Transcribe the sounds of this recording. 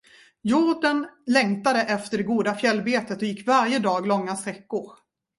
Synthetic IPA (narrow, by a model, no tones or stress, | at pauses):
jʊɖənlɛŋt̪ad̪əʔɛft̪əɖɛɡuːd̪afjɛlːbeːt̪ət̪ɔjɪkːvaɾjəd̪ɑːɡlɔŋːast̪ɾɛkːʊɾ